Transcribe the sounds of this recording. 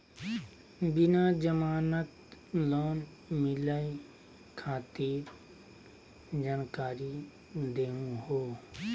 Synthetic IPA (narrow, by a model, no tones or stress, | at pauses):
bɪnad͡ʒəmaːnət̪lɔːn | mɪlai | kʰaːt̪iːɾ | d͡ʒaːnkaːɾi | d̪eːũɦoː